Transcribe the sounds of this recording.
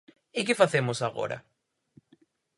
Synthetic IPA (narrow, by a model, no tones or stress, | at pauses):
ɪk̬ɪfaθemosaɣo̰ɾɐ̰